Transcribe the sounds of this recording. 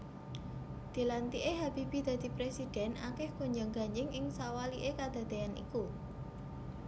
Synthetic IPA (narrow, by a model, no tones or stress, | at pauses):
d̪̥i̤lant̪iʔeɦab̥ib̥i̤d̪̥a̤d̪̥i̤pɾesid̪̥ɛ̤na̰kɛhko̤ɲd͡ʒaŋɡaɲd͡ʒɪŋɪŋsawaliʔekad̪̥a̤d̪̥eanḭku